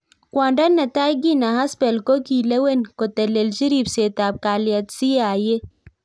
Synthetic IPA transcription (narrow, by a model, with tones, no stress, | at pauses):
kwãːɳɖɐ˦nːɐ˨t̪aː˦iɡi˦na˨ɦa˦spe˨lko˦ki˨le˦we˦nko˨t̪e˨le˨ld͡ʒi˦ɾi˦bseː˨t̪aːb̚kaː˨lijɐ˨t̪si˦aː˨je˦